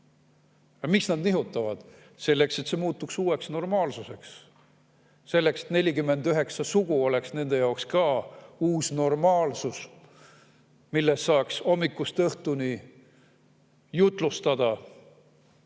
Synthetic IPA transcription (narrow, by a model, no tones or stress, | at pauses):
ɑmiksnɑd̪niɦut̪ːˑɑvɑd̪̥ | se̞lːe̞kse̞t̪semuːt̪ːˑuksuːwe̞ksno̞rmɑːlsuse̞ks | se̞lːe̞kset̪ne̞lʲikymːe̞nd̪yɦe̞ksɑsuɡ̥uo̞le̞ksne̞nd̪̥e̞jɑokskɑːuːsno̞rmɑːlsus | milːesːɑːkso̞mːikːˑust̪ɤht̪uni | jut̪ˑlust̪ɑd̪̥ɑ